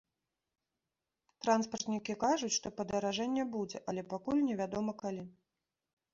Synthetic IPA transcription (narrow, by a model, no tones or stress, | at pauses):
t̪ɾanspɐrt̪nʲikʲikaʐut͡sʲʂt̪ɔpɐd̪ɐɾaʐɛnʲːɛbud͡zʲɛʔɐlʲɛpakulʲnʲɛvʲad̪ɔmɐkalʲi